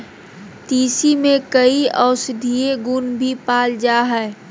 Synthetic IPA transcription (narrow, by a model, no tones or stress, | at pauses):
t̪iːsimẽkəiɔːʊsɪd̪ʱieɡunbʱipaːld͡ʒaɦɛː